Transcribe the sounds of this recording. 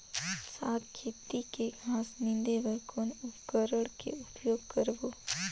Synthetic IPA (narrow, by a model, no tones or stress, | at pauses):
saːt̪̚kʰeːt̪ikeɡʱaːsnɪ̃nd̪eʋəɾkoːnʊpkəɾəɽkḛʊpjoːɡkəɾboː